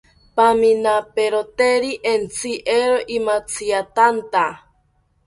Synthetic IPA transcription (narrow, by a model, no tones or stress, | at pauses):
paminapeɾot̪eɾiʔent͡sʰiʔeɾoʔimat͡sʰiat̪ant̪a